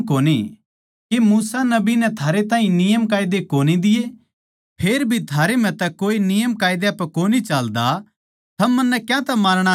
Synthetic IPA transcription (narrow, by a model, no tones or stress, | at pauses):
koːni | kemuːsanɐbinɛt̪ʰaːɾet̪ãːɦĩnɪjəmkaːɪd̪ekoːnid̪ɪje | pʰeːɾbʱit̪ʰaːɾem̤ɛ̃t̪ɛkoːinɪjəmkaːɪd̪eɐpkoːnit͡ʃaːld̪a | t̪ʰɐmːɐnːɛkjãt̪ɛmaːɾɽ̃a